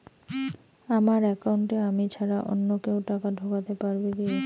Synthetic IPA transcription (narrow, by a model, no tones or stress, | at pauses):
amaɾɛkawɳʈeamit͡ɕʰaɾaʔo̰nːokewʈakaɖʱokat̪epaɾbed̪e